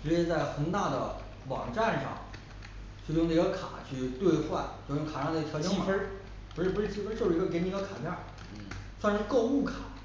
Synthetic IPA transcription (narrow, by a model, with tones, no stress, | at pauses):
ʈ͡ʂɻ̩˧˥t͡ɕjɛ˥˧˥t͡sa˥˩ɪxə˧˥nt̪a˥˩d̪ə̰˩ | wɑ̰˨˩ŋʈ͡ʂa˥˧nʂɑ̰˥˩ŋ | t͡ɕʰy˥˧jʊ˥˧ŋna˥˧˩ɡə˧kʰa̰˨˩˦t͡ɕʰy˥˧t̪we˥˧ɪxwa˥˧˩nt͡ɕjo˥˧ʊjŋkʰa˨˩ʂɑ˥˩d̪ə˧˥˧t͡ɕʰt͡ɕi˥˨˧ə˥ | pʂɻ̩˥˩pu˧˥ʂɻ̩˥˩t͡ɕʰi˥˩fʈ͡ʂɻɡə˧kn˧˥ɡə˧kʰa˨˩nja˥˩ | swa˥˧nʂɻ̩˥˧ko˥˧ʊu˥˩kʰa˨˩˦